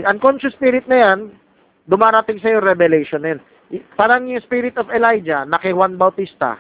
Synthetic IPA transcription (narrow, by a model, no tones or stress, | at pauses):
ʔɐŋkonʃʊspiɾɪt̪̚nɐjan | d̪ʊmaːɾɐt̪ɪŋsɐjoɾɛbɛlɛjʃonːɐjan | paːɾɐŋjʊŋspiɾɪt̪ovɛlajd͡ʒɐnɐkɐhwanbɐwt̪ist̪ɐ̰